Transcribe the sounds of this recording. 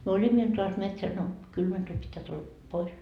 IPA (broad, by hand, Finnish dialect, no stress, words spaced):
myø olʲimːo iltɑː ɑst metsæs no kylmæ tulʲ pitːæː tulːɑ pois